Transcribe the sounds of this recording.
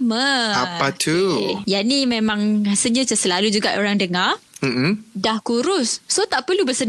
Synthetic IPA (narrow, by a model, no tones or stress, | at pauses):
məapat̪ʰujaʔnimẽmãŋasəlɲãt͡ʃəsəlalud͡ʒuɡaʔoɾaŋdəŋarm̩ʔm̩dahkuɾʊsːot̪aʔpərlubəsən